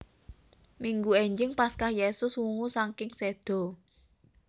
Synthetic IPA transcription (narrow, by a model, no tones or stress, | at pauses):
miŋɡueɲd͡ʒɪŋpaskahjesʊswuŋusaŋkɪŋsed̪̥ɔ̤